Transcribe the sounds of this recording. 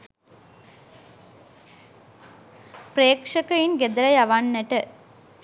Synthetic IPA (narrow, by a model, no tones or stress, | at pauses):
pɾeːkʂɐkɐjinɡed̪ɐɾɐjɐʋanːɐʈɐ